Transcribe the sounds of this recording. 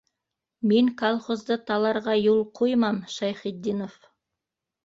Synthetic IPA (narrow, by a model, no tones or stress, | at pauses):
me̞ŋkʰolˠχo̞zd̪ət̪ʰɑlˠɑɾʁɑjulˠqʰojmɑmʃɑjχid̪ːinof